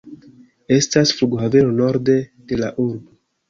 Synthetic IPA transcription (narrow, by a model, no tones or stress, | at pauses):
e̞stasfluɡohave̞ɾo̞no̞ɾde̞d̥e̞laʔuɾbo̞